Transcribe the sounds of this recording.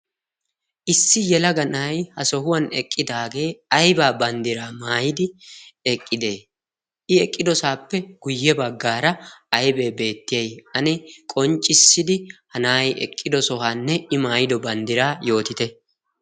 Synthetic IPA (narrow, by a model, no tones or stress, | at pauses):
ʔɪsːɪjɛlɐɡɐnɐjhɐsɔhʊwɐnɛkʼːɪd̪aːɡe̞ːɐjbaːbɐnd̪ɪɾaːmaːjɪd̪ɪɛkʼːɪd̪e̞ː | ʔɪɛkʼːɪd̪ɔsaːpːɛɡ̥ʊjːɛbɐɡːaːɾɐɐjbe̞ːbe̞ːt̪ːɪjɐjɐnɪkʼɔnt͡ʃʼːɪsːɪd̪ɪhɐnaːjʔɛ̰kʼːɪd̪ɔsɔɦaːnːɛɪmaːjɪd̪ɔbɐnd̪ɪɾaːjo̞ːt̪ɪt̪ɛ